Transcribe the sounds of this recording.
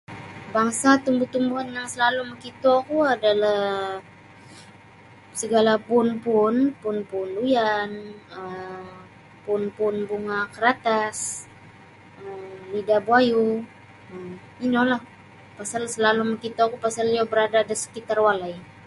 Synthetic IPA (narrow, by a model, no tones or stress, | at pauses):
baŋsat̪umbut̪umbuɦanjaŋsəlaluməkit̪oakuadalah | səɡalapunpunpʊnpunlujanə | pʊnpʊnbuŋakəɾat̪as | əlidabuaju | əm | inɔlah | pasalsəlaluməkit̪oakupasaliabəɾadaːdasə̥kit̪arwalaj